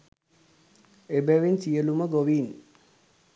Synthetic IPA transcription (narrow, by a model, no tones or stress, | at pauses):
ebɛʋinsijəluməɡoʋin